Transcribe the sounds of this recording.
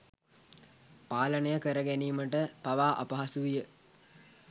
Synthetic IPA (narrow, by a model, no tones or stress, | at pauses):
paːlənəjəkəɾəɡæniːməʈəpaʋaːʔɐ̰pɐɦasuʋijə